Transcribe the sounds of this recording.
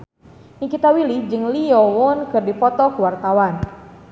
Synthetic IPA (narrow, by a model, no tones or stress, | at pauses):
ʔikit̪awilid͡ʒɨŋliɔwʊnkɨrdipɔt̪ɔkuwart̪awan